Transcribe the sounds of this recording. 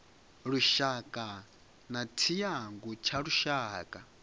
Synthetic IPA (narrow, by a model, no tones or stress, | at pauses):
ɺuʃakʼa | natʰijaŋɡut͡ʃʰaɺuʃaːkʼa